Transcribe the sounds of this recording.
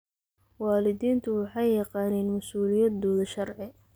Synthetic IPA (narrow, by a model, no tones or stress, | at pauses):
wɑːlɪðiːnt̪ʰʊwɑħɑjːɐqɑːnɛːnmɐsuːlɪjɐd̪ɔːðɐʃɐrʕɪ